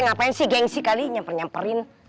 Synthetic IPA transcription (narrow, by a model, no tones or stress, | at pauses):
ŋapainsɪhɡɛŋsikaliɲampərɲampəɾɪn